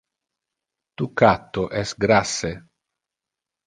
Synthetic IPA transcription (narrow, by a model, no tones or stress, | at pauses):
t̪ukat̪ːoʔɛsɡɾasːe